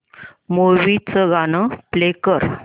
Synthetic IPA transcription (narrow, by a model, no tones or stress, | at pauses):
moʋit͡səɡanəplekəɾ